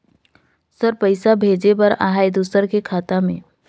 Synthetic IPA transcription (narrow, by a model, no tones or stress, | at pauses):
səɾpəɪsabʱeːd͡ʒepɐɾa̰ɦaːjd̪usəɾkekʰaːt̪amḛ̃ː